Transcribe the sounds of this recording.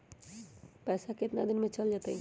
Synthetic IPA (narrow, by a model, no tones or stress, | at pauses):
pɛːsakeɪt̪nad̪ɪnmẽt͡ʃəld͡ʒat̪eĩ